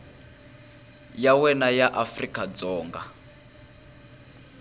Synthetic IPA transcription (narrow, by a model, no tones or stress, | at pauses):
jawɛnajaʔafrikʼad͡zɔːŋɡa̰